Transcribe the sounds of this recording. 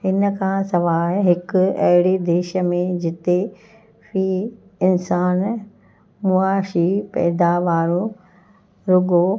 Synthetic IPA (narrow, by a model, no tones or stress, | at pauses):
ɦɪnə̆kʰãːsɐʋaːɾɦɪkʊɐ̰ɦɪɽed̪eːʃəmẽd͡ʑɪt̪e | fiː | ɪnsaːn | mʊaːʃipɛ̰ːd̪aʋaːɾõ | ɾʊɡo